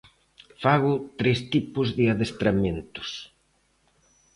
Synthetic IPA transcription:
faɣ̞ʊt̪ɾest̪ipʊzðɪaðest̪ɾament̪ʊ̥s

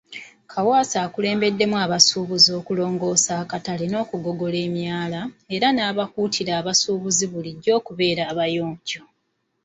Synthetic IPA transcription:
kʰawaːsaːkule̞ːmbe̞dːe̞mwaːβasuːβuzo̞ːkulo̞ːŋɡo̞ːsaːkataleno̞ːkuɡo̞ɡo̞le̞ːmjaːlae̞ɾanaːβakutʰiɾaːβasuːβuziβuliɟːo̞ːkuβe̞ːɾaːβajoːɲco

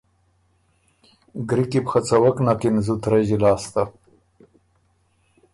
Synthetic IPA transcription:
ɡɾikipxat͡sawaknakinzut̪ɾaʒilɑːst̪a

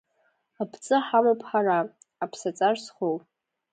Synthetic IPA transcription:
apʰt͡sʼɨħamapʰħara | apʰsat͡sʼarsχopʼ

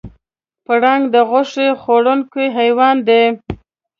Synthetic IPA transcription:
pəɽɑŋɡd̪əɣʊʂexoɽʊŋkeɦajwɑnd̪e

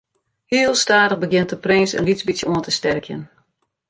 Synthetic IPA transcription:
hiəlˠstaːdəɣbəɡjɪntəprɪːsə̰nlizbisjəuəntəstɛrkʰjə̰n

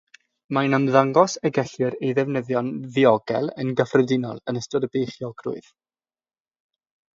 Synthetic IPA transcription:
manamðaŋɡɔsɛɡɛɬwɨɾejðɛvnəðjɔnðiɔɡɛ̰lˠə̰nɡəfrɛdɪnɔ̰lˠənəstɔdəbejχjɔɡrʊ̰ɨð̥

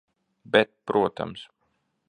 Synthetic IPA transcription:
bɛt̪̚pɾuɔt̪a̰ms

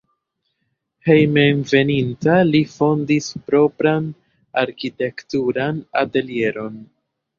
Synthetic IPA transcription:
he̞jmenve̞nintalifo̞ndispɾo̞pɾan | aɾkite̞ktuɾana̰te̞lie̞ɾo̞n

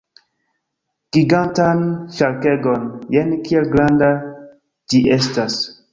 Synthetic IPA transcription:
ɡ̥iɡãntanʃalkɛɡɔnjɛnkiɛlɡɾãnda | d͡ʒiestas

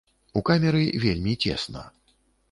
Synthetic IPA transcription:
ukamʲɛɾɨvʲelʲmʲit͡sʲɛ̰snɐ̰

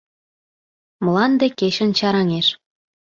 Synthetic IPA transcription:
mə̆lɑnd̪ekeɕə̆nt͡ɕɑɾɑŋeʃ

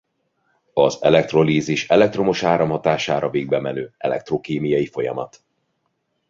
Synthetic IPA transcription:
ɒzɛ̰lɛk̚t̪ro̞liːziʃɛlɛk̚t̪ro̞moʃaːɾɒmhɒt̪aːʃaːɾɒveːɡ̚bɛmɛnøːɛ̰lɛ̰k̚t̪rokeːmijɒjifo̞jɒ̰mɒ̰t̪

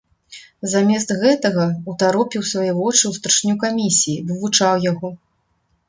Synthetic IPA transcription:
zamʲɛst̪ɣɛt̪ɐɣɐut̪aɾɔpʲiwsvajɛvɔt͡ʂɨwst̪ɾɨʂnʲukamʲisʲijivɨvut͡ʂawjaɣɔ

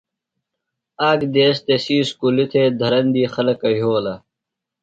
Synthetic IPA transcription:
aːkd̪eːst̪esiːskulit̪ʰed̪ʱɐɾɐnd̪iːxɐlɐkɐɦoːlɐ

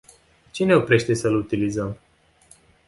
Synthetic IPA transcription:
t͡ʃine̞opɾe̞ʃt̪e̞səlut̪ilizəm

